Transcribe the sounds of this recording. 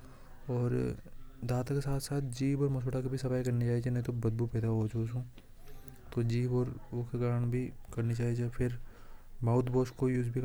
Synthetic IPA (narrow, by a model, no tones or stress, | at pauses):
ɔːɾd̪aːt̪akesaːt̪ʰsaːt̪ʰd͡ʒiːbɔːɾmɐsoːʈʰakibʱisɐfaːikɐɾnit͡ʃaːɦit͡ʃʰenɐɦĩt̪obɐd̪̚bupɛːd̪aɦot͡ʃʰosũː | t̪od͡ʒiːbɔːɾʊkekaːɾəɽ̃bʱikɐɾnit͡ʃaːɦit͡ʃʰepʰɪɾmaːʊt̪ʰboːskojuːd͡ʒbʱik